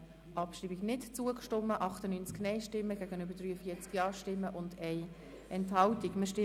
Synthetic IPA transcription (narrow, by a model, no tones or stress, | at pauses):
ʔɑpʃɾiːbiɡnɪtt͡suəkʃtɔmːəʔɑχtənynt͡sknɛɪʃtɪmːəɡæɡənʏbəɾdɾyːəfiːət͡skjɑːʃtɪmːəʔʊndɛɪ | ɛnthɑltikmɪʃtɪ